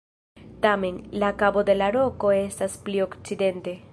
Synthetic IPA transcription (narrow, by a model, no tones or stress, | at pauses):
tame̞nlakabo̞de̞lalo̞ko̞e̞stasplio̞kt͡side̞nte̞